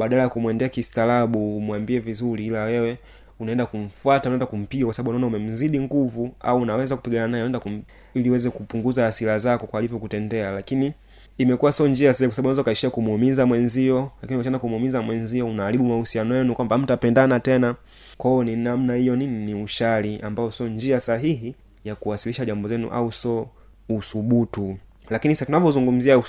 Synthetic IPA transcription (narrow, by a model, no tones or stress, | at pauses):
ɓaɗalajakumwɛndɛakistalaɓuːmwambiɛvizuɾiilawɛwɛ | unaɛndakum̩fuataunaɛndakum̩piɡakwasaɓaɓunaɔnaumɛm̩ziɗiŋɡuvua̰uːnawɛzaku̥piɡananajɛɛndakum̩ | iliwɛzɛkupuŋɡuzaːsilazakɔkwalivjɔkutɛndɛalakiniː | mɛkuwasɔnd͡ʒiasɛkwasaaɓunazaukaiʃiakumhumizamwɛnziɔlakiniukat͡ʃanakumhumizamwɛnziɔunaːɾiɓumausianɔjɛnukwambam̩tapɛndanatɛna | kwaɔninam̩nahijɔnininiuʃaliʔambaɔsɔɲd͡ʒiasaɦiɦi | jakuwasiliʃaʄambɔzɛnṵʔa̰usɔː | suɓutu | lakinisatunavɔzuŋɡum̩zia